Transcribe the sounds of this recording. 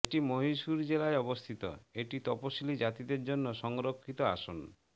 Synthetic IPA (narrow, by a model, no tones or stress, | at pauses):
eʈimoɦisuɾd͡ʒelaeɔbɔst̪ʰit̪ɔ̰eʈit̪ɔposilid͡ʒat̪id̪eɾd͡ʒonːɔsɔŋɾokʰːit̪ɔa̰sɔn